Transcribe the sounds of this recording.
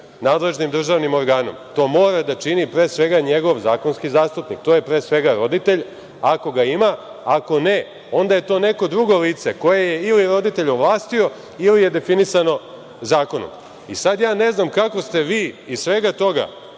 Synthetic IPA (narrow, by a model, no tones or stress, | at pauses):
naːd̪le̞ʒnimd̪r̩ʒaːʋnimo̞ɾɡaːno̞̰mt̪o̞ːmo̞ːɾad̪at͡ʃinipɾeːsʋe̞ɡaɲe̞ɡo̞ʋzaːkonskizaːst̪upnikt̪oje̞pɾeːsʋe̞ɡaɾo̞d̪it̪e̞ʎ | ako̞ɡaima | ako̞ne̞ | o̞nd̪aje̞t̪o̞ːne̞ko̞d̪ɾuɡo̞liːt̪seko̞jejeiliɾo̞d̪it̪eʎoʋlˠaːst̪io̞ | ilijed̪e̞finisano̞ | zaːko̞no̰m | isad̪jaːne̞znamkako̞st̪e̞ʋiːisʋe̞ɡat̪o̞ɡa̰